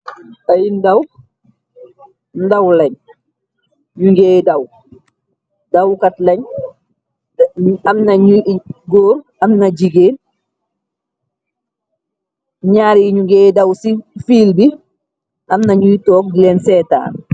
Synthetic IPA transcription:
ɐjindɐw | ndɐwlɛɲ | ɲuŋɡeːdɐw | dɐwkɐtlɐɲ | ɐmnɐɲuɡoːɾ | ɐmnɐd͡ʒiɡeːn | ɲaːɾiɲuŋɡeːdɐwsifiːlbi | ʔɐmnaɲujtɔːk̚dilɛnsɛːta̰ːn

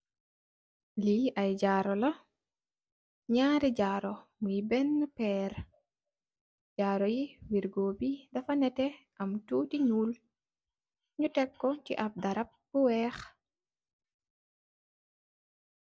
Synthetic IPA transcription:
liɐjd͡ʒaːɾɔlɐ | ɲaːɾiɟaɾɔmujibɛnːpɛːɾ | d͡ʒaːɾɔjiwiɾɡoːbidɐfɐnɛtɛ | ɐmtuːtiɲuːl | ɲutɛkːɔt͡ʃiʔɐp̚dɐɾɐp̚b̥uwɛx

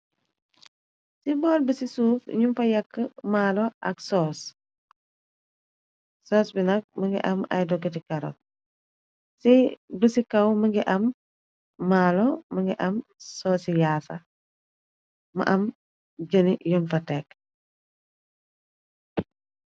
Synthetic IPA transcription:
sibɔːlbəsisuːfḭɲumfɐjɐkːəmaːlɔʔɐksɔːs | sɔːsbinɐk̚məŋɡḭʔɐmɐ̰jdɔɡətikɐɾɔ̰ | sibəsikɐwməŋɡiʔɐmː | aːlɔməŋɡiʔɐmsɔːsijaːsɐ | mɐ̰ʔɐm | ɟənijunfɐtɛk

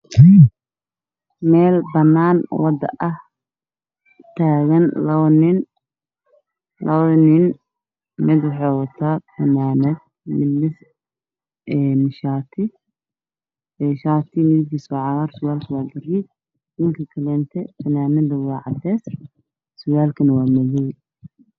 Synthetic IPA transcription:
mɛːlbɐnːaːnwɑd̪ɐ̰ʔɐh | t̪ʰaːɣɐnlɐβɐnɪn | lɐβɐnɪn | mɪd̪wɑħɑːwɑt̪ʰaːfɐnaːnɐd̪ | mɪmɪs | ɛːmɪʃaːt̪ʰɪ | ɛːʃaːt̪ʰɪmɪðɪkʰiːsɔːʕɑɣɐrsʊwaːlkʰɐwɑːɡɐɾid | nɪŋkʰɐkʰɐlɛːnt̪ʰɛfɐnaːnɐd̪ɐwɑːʕɑ̰d̪ɛːs | sʊɣaːlkʰɐnɐwaːmɐɣɛj

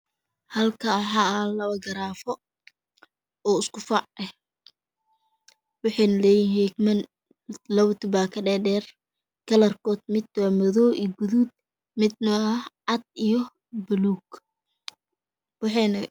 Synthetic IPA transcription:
hɐlkʰɐːħaːɐlɐβɐɡɐɾaːfɔ | ɔːɪskʊfɑʕɛh | wɑħɑːnɐlɛːjɪnhɛːɡmɐn | lɐβt̪ʰʊbaːkʰɐɖɛːɖɛːr | kʰɐlɐrkʰɔːd̪̚mɪd̪wamɔðɔːʔiːɡuðud̪̚ | mɪd̪̚nɐɐh | ɐd̪̚ijɔ | bʊluːɡ | wɑħɑnɐ

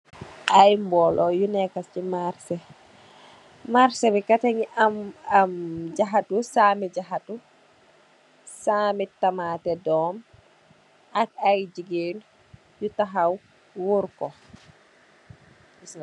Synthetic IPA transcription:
ʔajmbɔlʔɔjunɛkast͡ʃimaɾsɛ | maɾsɛbɛkataŋiamamd͡ʒaɦatusamid͡ʒaɦatu | samitːamatɛdɔm | akajd͡ʒiɡel | jutaɦaw | wuɾkɔ

